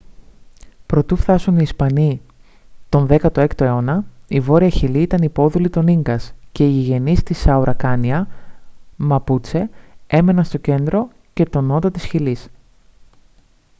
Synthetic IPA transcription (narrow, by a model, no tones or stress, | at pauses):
pɾo̞t̪ufθɐsoniːspɐni | t̪o̞nðe̞kɐt̪o̞e̞kt̪o̞e̞o̞nɐivo̞ɾiɐçiliit̪ɐnipo̞ðulit̪o̞niŋɡɐsce̞iʝe̞nist̪isɐuɾɐkɐniɐ | mɐput͡se̞e̞me̞nɐnst̪o̞ce̞nd̪ɾo̞ | ce̞t̪o̞no̞t̪ot̪isçilis